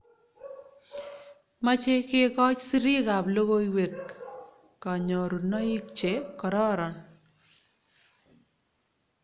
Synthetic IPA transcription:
ma˦t͡ʃe˦kɪ˦kɔ˦t͡ʃsi˦ɾi˦ɡa˨blo˦ɣo˦iwe˨kː | a˨ɲɔ˨ɾu˨nɔ˦i˦kt͡ʃe˨kɔ˨ɾɔ˦ɾɔ˨n

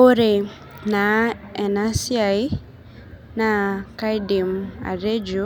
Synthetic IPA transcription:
o˦ɾe˨ | na˨ɛ˨na˦si˦a˨j | na˦ka˦jdi˨ma̰˨ɾe˦d͡ʒo˦

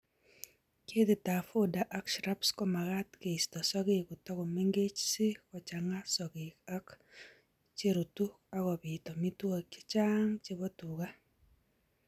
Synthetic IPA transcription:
ke˦d̪ɪ˨ta˨fo˦da˨ʔa˦kʃɾa˦pskɔ˦ma˨ka˦t̪ke˨i˨stɔ˨sɔ˦ɡɪ˦kʊ˨tɔ˦kɔ˨me˦ŋɡe˦t͡ʃsɪ˦kɔ˨t͡ʃa˨ŋa˦sɔ˨ɡɪ˨ka˦k | t͡ʃe˦ɾu˨tu˦ | a˦kɔ˨bɪ˨tɔ˨mi˦to˦˨ke̥˦t͡ʃa˦ŋt͡ʃe˦bɔ˦tu˨ka˦

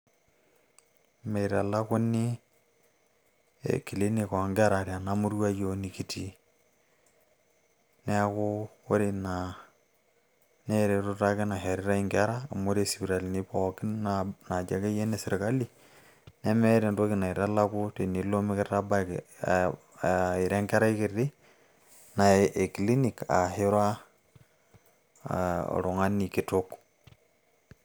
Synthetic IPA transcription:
me˨ɾa̰˨la˦kʊ˦ni˦ | ḛ˨ki˨li˦ni˦˨kɔ˨ŋɡa˦ɾa˨ɾja˨na˨˦mu˦ɾwa˦jo˦ni˨ki˨ti˨˦ | nɛ˦kʊ˦o˦ɾi˨na˨ | nɛ˦ɾe˨to˦ta˦kɪ˦na˨ɦɛ˨ɾɪ˦ɾa˦i˦ŋɡa˦ɾaː˦˨mo˦ɾe˦˨si˨bi˨ɾa˨li˨ni˦pɔ˨kɪ˦nana˨d͡ʒa˨ke˦je˦ne˦sɪ˨ɾe˨ka˦li˨ | ne˦me˦ɾe˨nto˦kɪ˨na˨i˨ɾa˦la˦ku˦te˨ni˨lo˦mi˦kɪ˦ta˦ba˦k | i˨ɾɛ˦ŋɡɛ˦ɾa˦i˦ki˨ri˦ | na˨e˨kli˦ni˨ka̰˨hɪ˦ɾwa˦ | ɔ̰ɾʊ˨ŋa˦ni˨ki˨to˦k

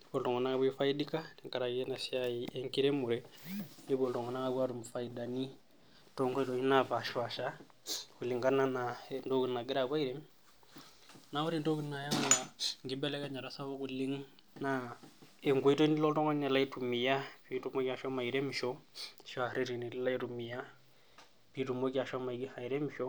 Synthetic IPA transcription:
βɔ˨ltɔ˨ŋɡɔ˨na˦ka˦βi˦fa˦i˦dika˦ti˨ŋka˨ɾa˨iɛ˦na˨si˦a˦iʔɛŋki˦ɾɛ˦mu˨ɾɛ˦i˦βɔ˨ltɔ˨ŋɡɔ˨na˦ka˦βa˦ɾu˨mu˨fa˨ida˨ni˦ | tɔ˦ŋɡɔ˦i˦tɔ˨ɲi˦na˨βa˨ʃwa˨ʃa˦ | ku˨li˨ŋɡa˦na˦na˨ɛndo˦ku˨na˨ɡɛ˦ɾa˨βwa˦iɾɛ˦m | na˨˦wu˦ɾi˦˨ndo˦ki˦nːa˨ja˦ŋa˦a˨ŋɡi˦bɛ˦lɛ˦ka˦ɲa˨ɾa˦sa˦βa˦ku˨li˦ŋ | na˦e˨ŋɡo˦i˦to˦ni˦lo˦ltɔ˦ŋɡo˦ɲna˨la˦i˦tu˨mi˨ja˦pi˦tu˦mo˦ka˨ʃa˦ma˨i˨ɾe˦mʃo˦ʃa˨ɾe˦ɾi˨ni˨lla˦i˦tu˨mi˨ja˦ | pi˦tu˨mo˦ka˨ʃa˦ma˨i˨ɡi˦ha˨i˨ɾe˦mʃo˦

